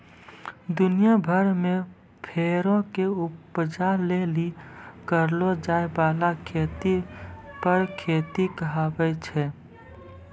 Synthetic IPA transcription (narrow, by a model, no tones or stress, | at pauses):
d̪ʊnijabʱəɾme | pʰeːɾõkeʊpd͡ʒalelikəɾlod͡ʒaːebalakʰeːt̪ipəɾkʰeːt̪ikəɦabɛt͡ʃʰɛ